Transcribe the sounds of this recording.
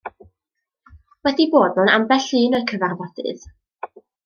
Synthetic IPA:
wɛdiboːd̚mʊnambɛɬɨːnɔɨkʰəvarvɔd̥ɨ̰ð

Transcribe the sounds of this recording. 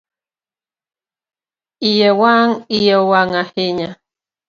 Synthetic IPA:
ijewaŋijewaŋahiɲa

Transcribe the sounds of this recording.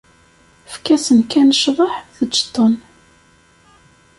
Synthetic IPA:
fkæsənkænʃðˤəħθət͡ʃːt̪ˤːon

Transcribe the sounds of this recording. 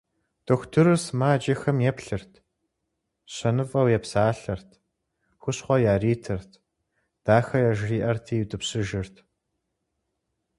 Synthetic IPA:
d̥oxʷtʰɨɾɨrsmaːd͡ʒɐxɐmjɛpɬɨrtʰ | ɕɐnɨfʼɐwjɛpsaːɬɐrtʰ | xʷʊɕχʷɔjaːriːtʰɨrtʰ | d̥aːxɐjaːʒriːʔɐrtʰiːjɪdɨpɕɪʒɪrtʰ

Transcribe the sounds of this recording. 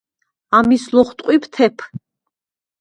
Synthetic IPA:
amislɔχt̪ʼqʼwipʰt̪ʰɛpʰ

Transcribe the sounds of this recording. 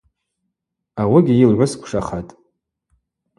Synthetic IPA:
awaɡʲɪjilʕʷʊskʷʰʂaχatʼ

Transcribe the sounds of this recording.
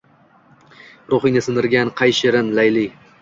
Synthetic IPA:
ɾoχɪjnɪsɪnd̪ɪɾɡʲanqʰɑjʃɪɾɪnlajlɪ

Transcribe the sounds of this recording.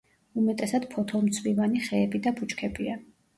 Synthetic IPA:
umɛt̪ʼɛsad̪̥pʰɔt̪ʰɔmt̪sʰvivaniχɛːbid̪abut͡ʃʼkʰɛbia

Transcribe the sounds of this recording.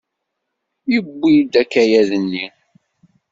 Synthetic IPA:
jəbːid̪ækːæjæðənːi

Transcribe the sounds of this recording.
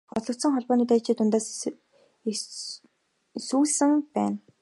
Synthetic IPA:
χɔɮɞ̆kt̪sɞ̆ŋχɔɮpɔːniːt̪æjt͡ɕiːt̪ʊnt̪aːs | suːɮsɘ̆ŋpæːn

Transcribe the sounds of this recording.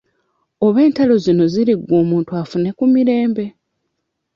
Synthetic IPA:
o̞βe̞ːntalo̞zino̞ziɾiɡːo̞ːmuːntuafune̞kumiɾe̞ːmbe̞

